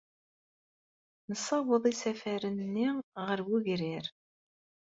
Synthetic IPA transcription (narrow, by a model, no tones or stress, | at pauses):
nəsɑwəðˤisæfæɾənːiʁəɾwuʝɾɪɾ